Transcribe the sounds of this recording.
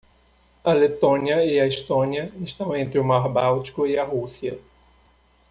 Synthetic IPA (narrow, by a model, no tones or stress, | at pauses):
ɐlet̪õniɐiɐist̪õniɐɪst̪ɐ̃w̃ẽnt̪ɾɪʊmaɾbawt͡ʃi̥kʊɪɐɦusiɐ